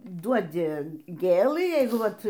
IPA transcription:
ˈduɔdʲɪ ˈɡʲeːlˠɨ ˈjɛɪɡʊ ˈʋɐt

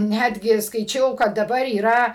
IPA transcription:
ˈnʲædʲɡʲɪ skɐɪˈt͡ʃʲɛʊ kɐt dɐˈbɐr iːˈrɐ

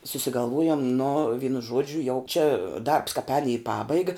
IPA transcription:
sʊsʲɪɡɐlˠˈʋoːjʊm nʊ ˈʋʲiːnʊ ˈʒuɔd͡ʒʲʊ jɛʊ t͡ʃʲɛ dɐrps kɑːp ɛːn iː ˈpɑːbɐɪɡɐ

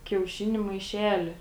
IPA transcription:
kʲɛʊˈʃʲɪnʲʊ mɐɪˈʃʲæːlʲɪ

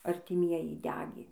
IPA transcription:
ɐrʲtʲɪˈmʲiɛjɪ ˈdʲæːɡʲeː

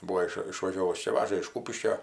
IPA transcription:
ˈbuːoː ɪʃ ɪʃʋɐˈʒʲoːʋʊs ˈt͡ʃʲɛ ˈʋɑːʒɐ ɪʃ ˈkuːpʲɪʃʲkʲoː

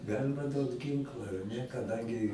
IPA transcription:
ˈɡɑːlʲɪmɐ ˈduɔt ˈɡʲɪŋklˠɐ ɐr ˈnʲɛ kɐˈdɐŋʲɡʲɪ

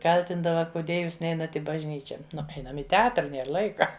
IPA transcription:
ˈkɐlʲtʲɪndɐʋɐ kʊˈdʲiɛ ˈjuːs ˈnʲɛɪnɐt ˈiː bɐʒʲˈnʲiːt͡ʃʲɛ ˈnʊ ˈɛɪnɐm ɪ tʲɛˈɑːtrɐ ˈnʲeːr ˈlˠɐɪkɐ

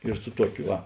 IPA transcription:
ɪr sʊ ˈtuɔkʲʊ ˈʋɐ

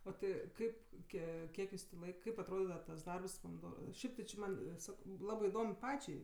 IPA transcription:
oː ˈtʲɪ ˈkɐɪp ˈkʲiɛ ˈkʲiɛk jʊs tʲeː ˈlˠɐɪk ˈkɐɪp ɐtˈroːdʲɪdɐʋɐ tɐs ˈdɐrps poːmʲɪˈdoː ˈʃʲɛɪp tʲɪ t͡ʃʲɪ ˈmɐn ˈsɑːkoː ˈlˠɑːbɜ ɪˈdoːm ˈpɑːt͡ʃʲɛɪ

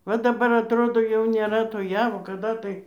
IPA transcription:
ʋɐ dɐˈbɐr ɐtˈroːdoː jɛʊ nʲeːˈrɐ toː ˈjæːʋoː kɐˈdɐ tɐɪ

